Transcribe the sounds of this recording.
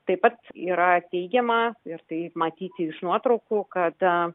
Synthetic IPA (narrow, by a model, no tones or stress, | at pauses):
t̪ɐɪpɐt̪ḭːɾɐt̪ʲɛɪɡʲɛmɐɪɾt̪ɐɪmɐt̪ʲiːt̪ʲɪɪʃnuɔt̪ɾɐʊkukɐt̪